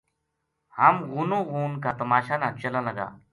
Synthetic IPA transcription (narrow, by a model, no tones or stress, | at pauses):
hamɣunoɣuːnkat̪əmaɕanat͡ɕəlãlaɡa̰